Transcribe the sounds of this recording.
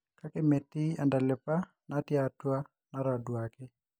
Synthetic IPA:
ka˦keme˨tɪ˦a˨nda˨lɪ˨pa˦ | na˦tja˨twa˦ | na˦ɾa˨dwakɪ˦

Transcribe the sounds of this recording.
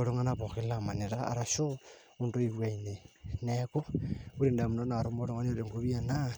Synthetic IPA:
oɾo˦ŋa˦naβo˨xi˦lama˨ne˨ɾaa̰ɾa˨ʃo | u˨ndo˦iβwa˨ineneko˦u˦ɾi˨nda˨mu˨no˦na˨ɾo˦moɾo˦ŋa˦ne˦ɾe˨ŋɡu˦βi˦a˨na

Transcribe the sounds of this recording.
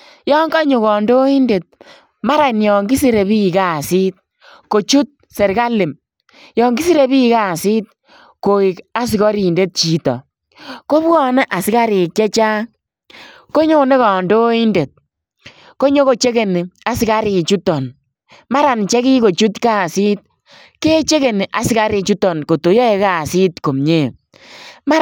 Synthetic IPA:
jɔ˦ŋɡa˦ɲu˨kɔ˨ndo˦i˦nde˨t̚ | ma˦ɾa˨njɔ˨ŋɡi˦si˦ɾe˨bi˦˨ka˦˨si˦t̚ | ko˨t͡ʃu˦t̚ | se˨ɾka˦lɪ˨m | jɔ˨ŋɡi˦si˦ɾe˦bi˦ka˦˨sɪ˦t̚ | ko˨ɪ˨ka˦s̬ɪ˨kɔ˦ɾi˨nde˦t̚t͡ʃi˨tɔ̰˨ | ko˦bɔ˦nɛ˦ʔa˨sɪ˦ka˦ɾɪ˨k̚t͡ʃɛ˦t͡ʃaː˦ | ko˦ɲo˦ne˦kɔ˨ndo˦i˦nde˨t̚ | ko˦ɲo˦ko˨t͡ʃe˦ke˨ni˨a˨sɪ˦ka˦ɾɪ˨t͡ʃu˦tɔ˨n | ma˦ɾa˨nt͡ʃɛ˦ki˦ko˨t͡ʃu˦tka˦˨sɪ˦t̚ | ke˦t͡ʃe˦ke˨ni˨ʔa˨si˦ka˦ɾi˧t͡ʃu˦tɔ˨nko˨to˨jɔ˦e˧ka˦˨sɪ˦tko˨mɲe˦˨ | ma˦

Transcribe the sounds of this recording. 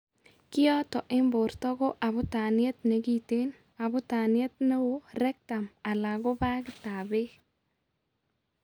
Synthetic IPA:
kɪ˦ɔ˦tɔ˨ʔɪ˦mbo˨ɾtɔ˦ɡo˦ʔa˨bʊ˦ta˨nɪe˦t̪̚ne˨ɡi˦te˦n | a˨bʊ˦ta˨nɪ˦e˦t̪̚ne˦wo˦ɾɛ˦k̚ta˨ma˨la˨ɡo˦ba˦ɡta˨be˦

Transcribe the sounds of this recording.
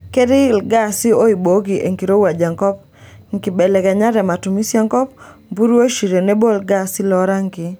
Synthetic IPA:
kɛ˦ɾɪ˦lɡa˦sɪ˦o˦i˨bo˨˦ɡi˨ʔe˨ŋki˨ɾo˦wa˨d͡ʒa˨ŋkɔ˦p̚ | ŋɡɪ˨bɛ˨lɛ˨kɛ˨ɲa˦ɾɛ˨ma˨tu˨mi˦sja˦ŋkɔ˦pmbu˦ɾo˦ʃi˨ɾe˨ne˦bo˦lɡa˦sɪ˦lɔ˦ɾa˦ŋɡɪ˨

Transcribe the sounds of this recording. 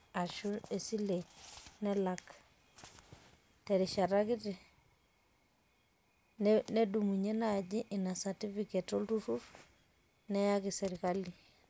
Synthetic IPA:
a˨ʃu˦e˨si˦lenɛ˦lak | te˨ɾi˨ʃa˨ɾaki˦te˨ | nne˦du˨mu˨ɲe˦na˨ɟi˦ʔi˨na˨sa˨ti˦fiketoltu˦fuf | ne˦ja˦ki˨seɾikali˨

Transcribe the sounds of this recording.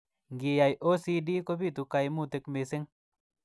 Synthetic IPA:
ŋɡi˨˧ja˨jʔo˦si˧di˦ko˦bi˦˨t̪u˧ka˨˧jmu˦˨t̪e˧˨kme˨se˦ŋ

